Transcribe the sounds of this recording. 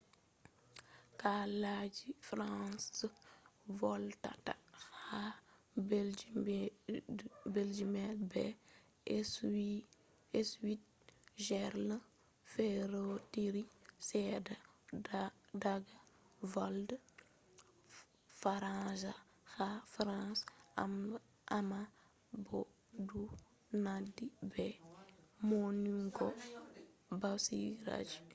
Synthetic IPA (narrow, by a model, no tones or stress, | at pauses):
kalad͡ʒifɾãs | vɔlta̰taxa | b | bɛld͡ʒimɛlbɛ | ɛswi | ɛswit̚ | ʒɛɾlə | fɛɾotiɾisɛda | daɡa | vold | faɾãza | xafɾãsa̰m | ʔama | bo | du | nadibɛ | moniŋɡo | basiɡɾa̰d͡ʒ